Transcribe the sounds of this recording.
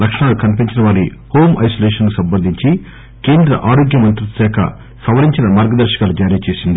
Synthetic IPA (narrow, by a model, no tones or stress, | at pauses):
lɐkʂɐɳaːlukɐnip̬iɲt͡ʃinɐʋaːɾiho̞ːmɐ̰jsoleːʂɐnkusɐmbɐnd̪ʱiɲt͡ʃi | ke̞ːnd̪ɾɐ̰ʔaːɾoːɡjɐmɐnt̪ɾut̪sɛːkʰɐ̰ | sɐʋɐliɲt͡ʃinɐmaːɾɡɐd̪ɐɾʃɐ̥kaːlud͡ʒaːɾiːt͡ʃe̞ːsind̪i